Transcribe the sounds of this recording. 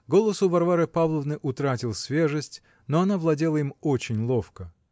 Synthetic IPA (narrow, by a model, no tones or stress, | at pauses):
ɡo̞lˠəsʊvɐrvaɾɨpavlˠəvnɨʔʊt̪ɾatʲɪlˠsʲvʲe̞ʐɨsʲtʲ | noɐnavlˠɐdʲe̞lˠəimot͡ɕɪnʲlˠofkə